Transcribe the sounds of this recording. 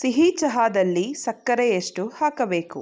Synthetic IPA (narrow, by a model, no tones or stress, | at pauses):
siɦiːt͡ʃɐɦaːd̪ɐlːisɐkːɐɾɛjeʂʈuhaːkɐbe̞ːku